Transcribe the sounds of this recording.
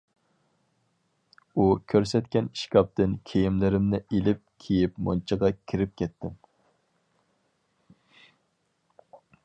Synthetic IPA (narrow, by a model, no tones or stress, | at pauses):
ukʲʰøɾsɛt̪kʲɛni̥ʃkʲɑp̚t̪ʰɪnkʲʰejimlɪɾɪmnɪʔelɪp̚kʲʰejipmo̰nt͡ʃʰəʁɑkʲʰiɾɪp̚kʲɛt̪ʰːɪm